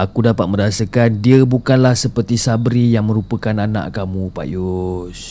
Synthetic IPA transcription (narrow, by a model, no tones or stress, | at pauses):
akudapat̪̚mə̃ɾasəkandiəbukanlahsəpərt̪isabɾijaŋmə̃ɾupəkananã̰ʔkamũpa̰ʔjos